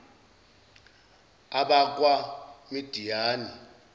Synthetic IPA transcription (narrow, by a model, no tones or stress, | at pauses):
aɓak̬ʼwamid̥ʱijaːni